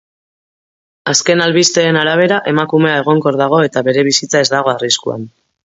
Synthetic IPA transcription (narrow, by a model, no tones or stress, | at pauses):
aske̞nalβist̪e̞ːnaɾaβ̞e̞ɾaʔe̞makume̞ae̞ɣ̞o̞ŋko̞ɾðaɣ̞o̞e̞t̪aβe̞ɾe̞β̞isit͡sae̞zd̪aɣ̞o̞ariskua̰n